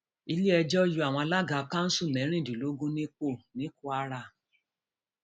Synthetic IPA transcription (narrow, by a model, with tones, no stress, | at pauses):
i˧li˦ɛ˧d͡ʒɔ˦ju˧a˨w̃ɔ̃˧a˧la˦ɡa˨˧kã˦n̩˦su˦˨nɛ̃˨˦ɾ̃ĩ˦˨dĩ˨lo˨˦ɡũ˦nĩ˦k͡po˦˨nĩ˨˦ku˦a˧˦ɾa˦˨